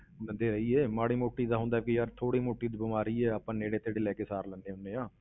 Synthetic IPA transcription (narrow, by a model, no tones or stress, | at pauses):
lə̃nd̪eːɾəiːeːmaːɽiːmoːʈːiːd̪aːɦʊ̃nd̪aːkijaːɾt̪ʰoːɽiːmoːʈːiːd̪ibəmaːɾiːɛːəpãːneːɽeːt̪eːɽeːlɛːkeːsaːɾlə̃nd̪eːɦʊnːẽːãː